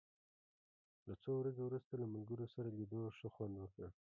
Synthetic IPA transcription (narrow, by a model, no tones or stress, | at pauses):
lat͡sowɾazewɾust̪alamalɡəɾosaɾalid̪oʃəxwand̪wəkə